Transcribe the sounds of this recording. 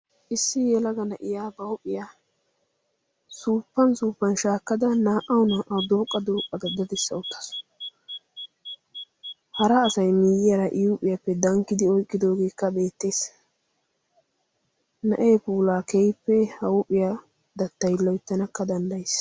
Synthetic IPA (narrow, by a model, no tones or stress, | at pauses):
ʔɪsːɪjɛlɐɡɐnɐʔɪjaːbɐwʊpʼɪja | suːpːɐnsuːpːɐnʃaːkːɐd̪ɐnaːʔɐwnaːʔɐwd̪oːkʼːɐd̪oːkʼːɐd̪ɐd̪ɐd̪ɛsːɐʊt̪ːɐ̥s | hɐɾɐːsɐjmɪjɪjɐɾɐʔɪjupʼɪjɐpːɛd̪ɐŋkːɪd̪ɪɔjkʼːɪd̪o̞ːɡe̞ːkːɐbe̞ːt̪ːe̞ːs | nɐʔeːpuːlaːkɛjpːɛhɐwʊpʼːɪja | d̪ɐt̪ːɐjlːɔjɪt̪ːɐnɐkːɐd̪ɐnd̪ɐjs